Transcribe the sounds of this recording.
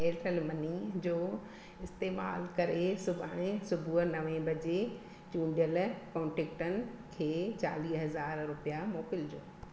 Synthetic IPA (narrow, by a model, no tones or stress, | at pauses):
eːʈʰəlmɐnid͡ʑoː | ɪst̪eːma̰ːlkɐɾesʊbʱaɽ̃ẽsʊbʱunɐʋẽbʱɐd͡ʑe | t͡ɕũːɖjəlkõːɳʈeːk̚ʈənɪ̆kʰeːt͡ɕa̰ːliːɦɐzaːɾɾʊpijamoːkɪld͡ʑo̰ː